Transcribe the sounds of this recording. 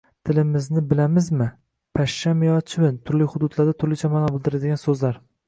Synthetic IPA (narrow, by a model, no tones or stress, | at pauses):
t̪ʰɪlɪmɪznɪbɪlamɪzmɪ | pʰaʃːamɪjɒt͡ʃʰɪbɪnt̪ʰʊɾlɪhʊd̪ʊd̪laɾd̪at̪ʰʊɾlɪt͡ʃʰamanabɪlˠd̪ɪɾad̪ɪɡʲansɵzlaɾ